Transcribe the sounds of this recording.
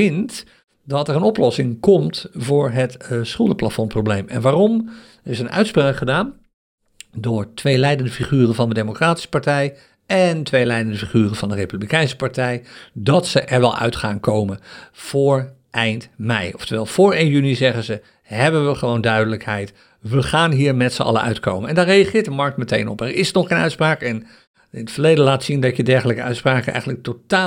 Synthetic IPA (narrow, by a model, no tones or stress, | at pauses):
ɪnt | dɑtɛɾənɔplɔsɪŋkɔmtvʊːɹɦətsχølˠdəplafɔnprowblejmɛ̰nʋaːrɔm | ɪsənœ̰ɥtspraːkχədaːn | dʊːɹtʋejlɛjdəndəfiχyːrənvɑndədejmokraːti̥sə̥paɹtɛj | ɛntʋejlɛjdəndəfiχyːrənvɑndərejpyblikɛjnsə̥paɹtɛjdɑtsəʔɛɹʋɛlˠœ̰ɥtχaːnkowmənv̥ʊːɹ | ʔɛjntmɛ̰jɔftəʋɛːlˠv̥ʊːɹejnjynizɛχəzə | ɦɛbənʋəχəʋowndœɥdələkɦɛjt | ʋəχaːnɦiːɹmɛtsəɑ̰lə̰ʔœ̰ɥtkowmənɛ̰ndaːrejɑχɪːɹt̚dəmɑɹk̚tmətejnɔ̰pɛɹɪsnɔχejnœɥtspraːkɛn | ɪnətfəɹlejdəlaːtsindɑtədɛɹχələkəœɥtspraːkənʔɛ̰jχənlək̚tota